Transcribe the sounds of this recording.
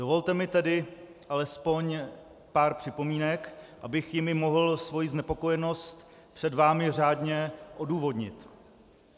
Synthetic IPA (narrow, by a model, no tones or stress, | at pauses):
d̥o̞vo̞lt̪ɛmɪt̪ɛdɪ | ʔalɛspo̞ɲ | paːɾpr̝̥ɪpo̞miːnɛkʔabɪxjɪmɪmo̞ɦl̩svo̞jiznɛpo̞ko̞jɛno̞st̪ | pr̥ɛdvaːmɪr̝aːdɲɛʔo̞duːvo̞dɲɪ̰t̪